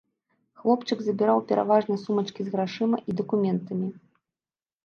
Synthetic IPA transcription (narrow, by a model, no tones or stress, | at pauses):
xlˠɔpt͡ʂɨɡzɐbʲiɾawpʲɛɾa̰vaʐnɐsumɐt͡ʂkʲizɣɾaʂɨmɐʔid̪ɐkumʲɛnt̪ɐmʲi